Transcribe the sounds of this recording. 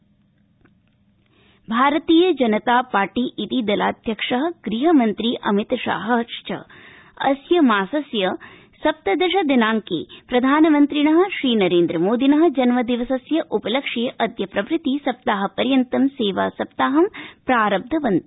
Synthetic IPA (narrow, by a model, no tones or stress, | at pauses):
bʱaːɾɐt̪iːjɐd͡ʒɐnɐt̪aːpaːɾʈiʔit̪id̪ɐla̰ːd̪ʱjɐkʂɐɦɐ̆ɡ̥ɾiɦɐmɐnt̪ɾiːʔɐ̰mit̪ʃa̰ːɦɐ̆ʃt͡ʃɐ̰ | ɐ̰sjɐmaːsɐsjɐ | sɐp̚t̪ɐd̪ɐʃɐd̪inaːŋkḛːpɾɐd̪ʱaːnɐmɐnt̪ɾiɳɐɦɐ̆ʃɾiːnɐɾeːnd̪ɾɐmoːd̪inɐɦɐ̆d͡ʒɐnmɐd̪iʋɐsɐsjɐʔupɐlɐkʂejʔɐd̪ʱjɐpɾɐʋɾɪt̪isɐp̚t̪aːɦɐ̆pɐɾjɐnt̪ɐmseːʋa̰ːsɐp̚t̪aːɦɐmpɾaːɾɐb̚d̪ʱɐʋɐnt̪i